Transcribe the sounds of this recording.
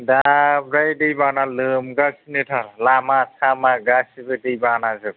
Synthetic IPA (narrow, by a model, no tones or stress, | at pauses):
dabɾajdɯjbanalɯmɡasnɯtʰallamasʰamaɡasibɯdɯjbanazɯk̚